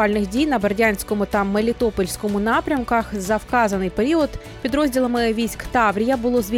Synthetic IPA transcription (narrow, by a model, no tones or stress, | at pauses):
ɑlʲnɪxdʲijnɐbɐrdʲanʲsʲkɔmʊt̪ɐmelʲɪt̪ɔpɔlʲsʲkɔmʊnɑpɾʲɐmkɐxzɐfkɑzɐnɨjpeɾʲiɔt̪ | pʲid̪ɾɔzʲdʲilˠɐmɪʋʲijsʲkt̪ɑʋɾʲɪjɐbʊlˠɔzʋʲ